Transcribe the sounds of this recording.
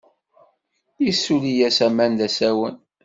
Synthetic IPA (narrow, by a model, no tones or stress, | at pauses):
jisːulijæsæmænd̪æsæwən